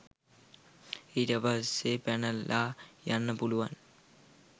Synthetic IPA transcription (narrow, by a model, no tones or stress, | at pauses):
iʈəʋaɦsepænəlːaːjanːəpuluʋan